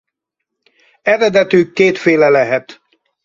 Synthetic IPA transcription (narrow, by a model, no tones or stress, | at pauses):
ɛɾɛd̪ɛt̪yːkːeːt̪feːlɛlɛɦɛt̪